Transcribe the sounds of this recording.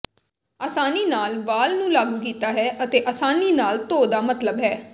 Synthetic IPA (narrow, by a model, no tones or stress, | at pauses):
əsaːniːnaːlʋaːlnũːlaːɡuːk̬iːt̪aːɦɛːʔət̪eːʔəsaːniːnaːlt̪oːd̪aːmət̪ləbɦɛː